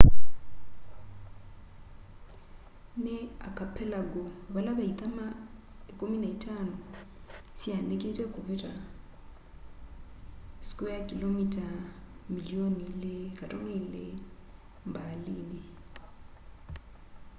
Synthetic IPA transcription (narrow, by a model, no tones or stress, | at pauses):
nɛa̰kʰʼapʰɛlaɡɔβalaβait̪ʼama | ekʼominaitʰʼanɔ | sianekʼetʼekʼʊβɪra | si̥kʼɔjakʼilomitʼamilionilekʼatʼɔnɛile | mbaliːnɛ